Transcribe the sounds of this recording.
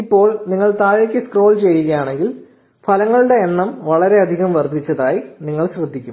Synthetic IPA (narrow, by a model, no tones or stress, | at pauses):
ipːo̞ːɭniŋːɐɭt̪aːɻikʲːɨskro̞ːlt͡ɕe̞jːuɣɐjaːɳe̞ŋɡil | fʰɐlɐŋːɐɭuɽe̞ːnːɐmʋɐɭɐɾe̞ɐd̪ʱiɣɐmʋɐrd̪ʱit͡ɕːɐðaːjiniŋːɐɭɕrɐd̪ʱːikʲːum